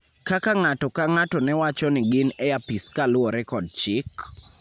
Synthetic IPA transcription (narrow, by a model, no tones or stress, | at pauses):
kakaŋatɔkaŋatɔnɛwat͡ʃɔnɪɡɪnɛjapiskalʊɔɾɛkɔd̚t͡ʃɪk